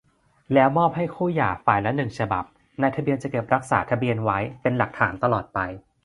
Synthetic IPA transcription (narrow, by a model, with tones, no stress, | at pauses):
lɛː˦˥wmɔː˥˩p̚ha˥˩jkʰuː˥˩jaː˨˩faː˨˩jlɛ˦˥nɯ˨˩ŋt͡ɕʰa˧ba̰˨˩p̚ | na˧jt̪ʰa˧bi˧ənt͡ɕa˨˩ke˨˩p̚ɾa˦˥k̚sa̰ː˩˦t̪ʰa˧bi˧ənwa˦˥jpe˧nla˨˩k̚t̪ʰaː˩˦nt̪a˧lɔː˨˩t̪̚pa˧j